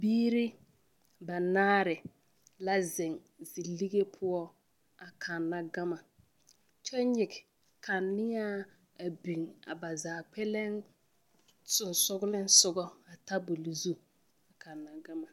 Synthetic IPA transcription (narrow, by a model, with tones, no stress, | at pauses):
biː˦ɾi˦ | ba˨naː˦ɾɪ˨ | la˦zɪ˨ŋ | zi˨li˦ɡe˦pʰʊ˦ɔ˦ | a˨kʰa˨nːa˦ɡa˦ma˨ | t͡ʃɔ˦ɲɪ˨ɡɪ˨ | kʰa˨nːɪ˦ja˦ | a˨bi˨ŋa̰˨ba˨zaː˨k͡pɛ˦lɛ˦ŋ | sʊ˨nsʊ˦ɡʊ˦lɪ˦n˦sʊ˨ɡɔ˦a˨ta˦bʊ˨li˨zu˦ | a˨kʰa˨nːa˨ɡa˦ma˨